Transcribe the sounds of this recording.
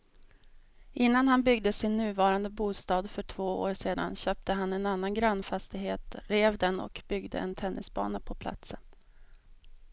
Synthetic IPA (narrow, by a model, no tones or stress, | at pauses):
ʔɪnːanhanbʏɡ̚d̪əsɪnːʉ̟ːvɑːɾand̪əbuːst̪ɑːd̪fœʈʰv̥oːo̰ːɾʂeːd̪a̰nɕøːp̚t̪əɦanɛnan̪ːanɡɾanːfast̪ɪɡɦeːt̪ɾeːvd̪ɛnɔ̰kbʏɡd̪ə̰ʔɛ̰nt̪ʰɛnːɪsbɑ̰ːnapʰɔpʰla̰t̪sən